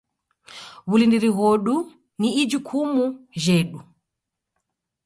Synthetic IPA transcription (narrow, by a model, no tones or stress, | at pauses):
βulindiɾiɣɔɗu | niːd͡ʒukʰumuʒɛɗu